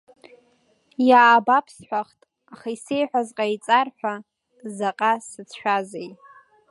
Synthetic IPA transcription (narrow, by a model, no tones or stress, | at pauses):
jaːbapʰsħʷᶣaχtʼ | aχaise̞jħᶣʷazqʼajt͡sʼarħʷa | zaqʼasɨt͡sʰʃᶣazej